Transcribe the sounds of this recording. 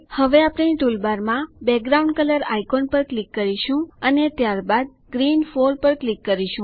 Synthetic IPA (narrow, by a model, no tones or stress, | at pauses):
həʋeapɽeniʈulbaɾmãbɛk̚ɡɾaũɳɖkələɾajkonpəɾklikːəɾiʃũənet̪jaɾbad̪̚ | ɡɾinfoɾpəɾklikːəɾiʃũ